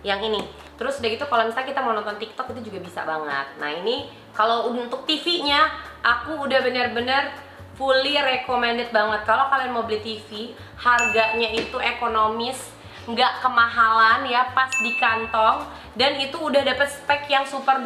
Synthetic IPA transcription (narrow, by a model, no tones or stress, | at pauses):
jaŋini | t̪əɾʊsdakit̪ukalomisalakit̪amanɔnt̪ɔnt̪ik̚t̪ɔkit̪ud͡ʒuɡabisa̰baŋə̰t̪̚na̰hini | kalount̪ʊk̚t̪ifiɲaʔakuːdahbənərbənər | pulirekomɛndət̪̚baŋət̪̚kalowkalajmobilit̪ifi | harɡaɲait̪uekonomɪs | ŋɡaʔkəmaɦalanjapasdikant̪ɔŋ | danit̪uːdahdapət̪̚spɛkjaŋsupər